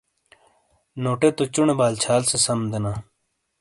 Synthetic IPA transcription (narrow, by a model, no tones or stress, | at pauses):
noːʈeːt̪ot͡ɕuɳebaːlt͡ɕʰaːlsesɐmd̪enaː